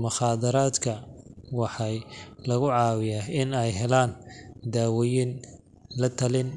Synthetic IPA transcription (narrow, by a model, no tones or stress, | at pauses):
mʊχɑːd̪ɐɾaːd̪kʰɐwɑħɑjlɐɣʊʕɑːwɪjaɪnɛjɦɛlaːnd̪aːwɔjin | lɐt̪ʰɐlɪn